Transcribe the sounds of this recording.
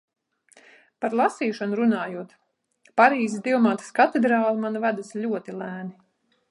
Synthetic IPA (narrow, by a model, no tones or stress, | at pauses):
paɾlˠasiːʃɔnuɾunaːjuɔt̪ | paɾiːzisd̪iɔmaːt̪ḁskat̪ɛd̪ɾaːlˠimanvæd̪aslʲuɔt̪ilˠæːni